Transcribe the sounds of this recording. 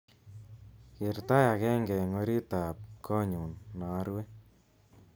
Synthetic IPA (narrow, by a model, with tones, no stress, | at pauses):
kɪ˨rta˦ja˨kɛ˦ŋɡɛ˨ŋo˦ɾi˦ta˨p̚kʰɔ˦ɲu˨nna˨˦ɾwe˦